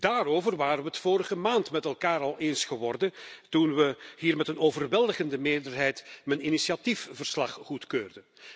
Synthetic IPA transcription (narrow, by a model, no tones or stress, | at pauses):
d̥aːɾoːvərʋaːɾəʋəətfoːɾəɣəmaːntmɛtɛlˠkaːɾɑlˠeːnsχəʋɔrdəntunʋəɦiːrmɛtənoːvərʋɛlˠdəɣəndəmeːɹdərɦɛjtməninisiatifvərslɑχχutkøːrdə